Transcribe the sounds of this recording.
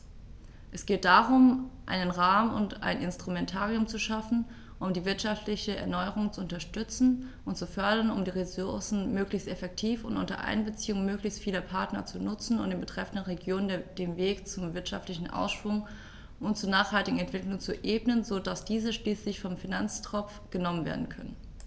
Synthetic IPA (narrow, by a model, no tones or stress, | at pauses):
ʔɛsɡ̥eːt̚d̥aːʁʊmʔa̰ɪnənʁaːmʊ̰nta̰ɪnʔɪnstʁ̥umɛntʰaːʁiʊmt͡suʃafn̩ | ʔʊmdiːvɪɐtʃaftlɪçəɛ̰ɐnɔʏəʁ̞ʊŋt͡suʊntɐʃtʏt͡sn̩ʔʊntt͡sufœɐdɐnʊmdiːʁesʊɐsn̩møːklɪçstɛfɛk̚tʰiːfʊntʔʊ̰ntɐ̰ʔa̰ɪnbət͡siːʊŋmøːklɪçstfiːlɐpʰaɐtnɐt͡sunʊt͡sn̩ʊntd̥eːnbətʁ̥ɛfn̩dənʁeɡjoːnəndd̥eːnveːkt͡sʊmvɪɐtʃa̰ftlɪçn̩ʔa̰ʊsʃv̥ʊŋ | ʔʊntt͡suːɐnaːχhaltɪɡŋ̩ɛntv̥ɪklʊŋt͡suʔeːbnənzodasd̥iːzəʃliːslɪçfɔmfinant͡stʁ̥ɔp͡fɡ̥ənɔmənvḛɐdn̩kʰœ̰nə̰n